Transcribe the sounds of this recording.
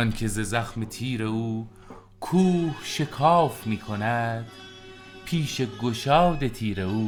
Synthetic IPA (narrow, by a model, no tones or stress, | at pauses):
nkʰezezæxmet̪ʰiːɾeuː | kʰuːhʃekʰɑːfmiːkʰonæd̪̥ | pʰiːʃeɡoʃɑːd̪et̪ʰiːɾeuː